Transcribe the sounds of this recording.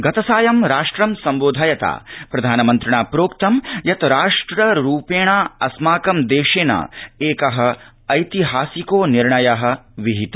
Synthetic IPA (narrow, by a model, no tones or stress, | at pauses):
ɡɐt̪ɐsaːjɐmɾaːʂʈɾɐmsɐmboːd̪ʱaːjɐt̪a̰ːpɾɐd̪ʱaːnɐmɐnt̪ɾiɳaːpɾoːkt̪ɐmjɐt̪ɾaːʂʈɾɐɾuːpeːɳaːɐsmaːkɐmd̪eːʃeːna̰eːkɐɦɐ̆ | ɐjt̪iɦaːsikoːniɾɳɐjɐɦɐ̆ʋiɦit̪ɐ